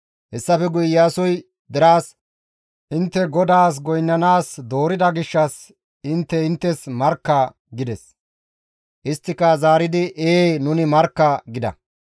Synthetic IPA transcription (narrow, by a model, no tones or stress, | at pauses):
hɛsːɐfɛɡʊjːaːsɔj | d̪ɛɾaːs | ʔɪnt̪ːɛɡɔd̪aːs̬ɡɔjnːɐnaːsd̪o̞ːɾɪd̪ɐɡɪʃːɐs | ɪnt̪ːɛɪnt̪ːɛsmɐɾkːɐ | ɡɪd̪ɛs | ʔɪst̪ːɪkɐzaːɾɪd̪ɪʔeːnʊnɪmɐɾkːɐɡɪd̪ɐ̰